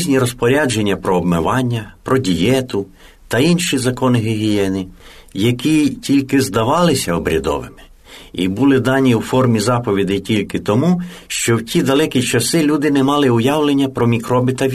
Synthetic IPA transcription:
zʲnʲiɾɔspɔɾʲad͡ʒe̞nʲːɐpɾɔːbmɪʋɑnʲːɐpɾɔdʲijɛt̪ʊ | t̪ɐinʃizɐkɔnɪɦɪɦʲijɛnɪjɐkitʲilʲkɪzd̪ɐʋɑlˠɪsʲɐɔbɾʲɐ̰d̪ɔ̰ʋɪ̰mɪ̥ | ibulˠɪd̪ɑnʲiwfɔrmʲizɑpɔʋʲid̪ɪjtʲilʲkɪt̪ɔmu | ʃt͡ʃɔwtʲid̪ɐlˠɛkʲit͡ʃɐsɪlʲud̪ɪnɛmɑlˠɪʊjɑwlˠenʲːɐpɾɔmʲikɾɔbɪt̪ɐʋʲ

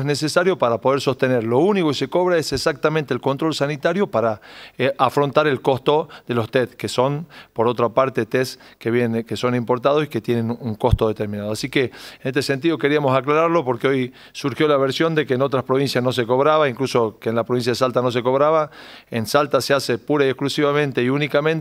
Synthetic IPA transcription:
nesesaɾjo̞paɾapo̞ð̞eɾso̞st̪eneɾlo̞uniko̞keseko̞βɾaesesak̚t̪amẽnt̪eːlko̞nt̪ɾo̞lsanit̪aɾjo̞paɾaafɾo̞nt̪aɾe̞lko̞st̪o̞ðe̞lo̞st̪et̪̚keso̞npo̞ɾo̞t̪ɾapaɾt̪et̪es | keβjenkeso̞nĩmpo̞ɾt̪aðo̞si̥ke̞t̪jenenuŋko̞st̪oðe̞t̪eɾmĩnaðoasikeenest̪e̞se̞nt̪iðo̞ke̞ɾiamo̞saklaɾaɾlo̞po̞ɾkeoj | suɾxjo̞laβeɾsjo̞nd̪e̞keːno̞t̪ɾaspɾo̞βinsjasno̞s̬e̞ko̞βɾaβaiŋkluso̞keːnlapɾoβinsjaðesalt̪ano̞s̬e̞ko̞βɾaβaensalt̪aseasepuɾaiehklusiβamẽ̞nt̪e̞iunikamẽnt̪

